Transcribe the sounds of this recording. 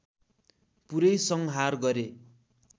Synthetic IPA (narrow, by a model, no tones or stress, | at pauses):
puɾʌjsʌŋɦarɡʌɾe